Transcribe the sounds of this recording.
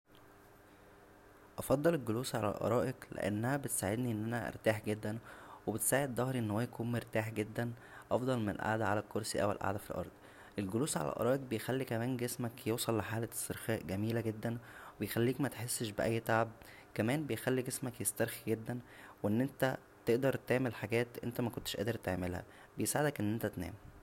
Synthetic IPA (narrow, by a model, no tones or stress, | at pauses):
ʔɑfɑd̪ˤːɑlelɡoluːsʕalæ̰lʔɑ̰ɾˤɑːʔeklḛʔæ̰nːæhæbet̪saːʕed̪niʔenːʔænæʔḛɾt̪aːħɡed̪ːænwebet̪saːʕed̪ːˤɑhɾiʔenːhowæjækuːnmeɾt̪aːħɡed̪ːæn | ʔɑfd̪ˤɑlmenḛlʔa̰ʕd̪æʕalælkːoɾˤsiʔæ̰wḛlʔa̰ʕd̪æfilʔɑ̰ɾˤd̪̥ˤ | ʔelɡoluːsʕa̰læ̰lʔɑ̰ɾˤɑːʔeɡ̚bejxælːikæmæːnɡesmækjewsˤɑlːeħaːlæsːeɾxæːʔɡæmiːlæɡed̪ːænwebejxælːiːkmæt̪e̥ħesːʃbeʔæjːt̪aʕab̚ | kæmæːnbejxælːiɡesmækjest̪æɾˤxiɡed̪ːænweʔenːʔent̪æ | t̪eʔd̪ɑɾˤt̪eʕmelħaɡæːt̪ʔḛnt̪æmækont̪e̥ʃʔæ̰ːd̪eɾt̪eʕmelhæ̰ | bejesaʕed̪ækʔenːʔent̪æt̪næ̰ːm